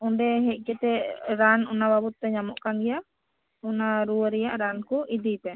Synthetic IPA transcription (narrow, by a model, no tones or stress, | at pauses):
ɔɖɛɦɛc̚ˀkɛt̪ɛɾanɔnababut̪̚ːɛɲamɔʔkaŋɡɛja | ɔnaɾuwəɾɛjaʔɾankuʔid̪ijp̪ɛ